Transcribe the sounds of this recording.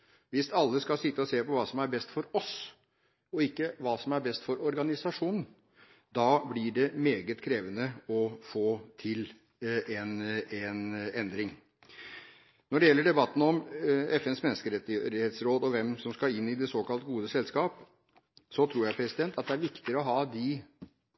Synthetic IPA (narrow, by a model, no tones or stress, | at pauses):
ʋɪst̪ɑlːəskɑsɪt̪ːəɔseːpɔʋɑːsɔmæɾbɛst̪fɔɾɔs | ɔɪkːəʋɑːsɔmæɾbɛst̪fɔɾɔɾɡɑnɪsɑʂuːnn̩ | d̪ɑːblɪɖɛmeːɡət̪kʰɾeːʋənəɔfoːt̪ʰɪl | ɛnɛnɛnd̪ɾɪŋ | nɔɖɛjɛlːəɖɛbɑt̪ːn̩ɔmɛfɛnsmɛnːəskəɾɛt̪ːɪheːt̪sɾoːd̪ɔʋɛmsɔmskɑɪnːɪd̪ɛsoːkɑlt̪ɡuːd̪əsɛlskɑːp | sɔt̪ʰɾuːɾjæɪpʰɾɛsɪd̪ɛnt̪ʰɑt̪̚d̪ɛæɾʋɪkt̪ɪɾəɔɦɑːd̪ɪ